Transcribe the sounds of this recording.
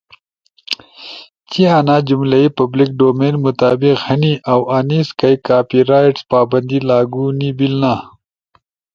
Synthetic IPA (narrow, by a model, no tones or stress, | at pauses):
t͡ɕianaːd͡ʑumlɐipɐblik̚ɖoːmeːnmʊt̪aːbiqhɐniʔɐwʔaniskɐjkaːpiɾaːjʈspaːbɐnd̪ilaːɡunibilna